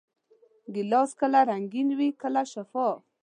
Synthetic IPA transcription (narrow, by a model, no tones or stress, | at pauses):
ɡɪlɔskəlaɾaŋɡinwikəlaʃafɔ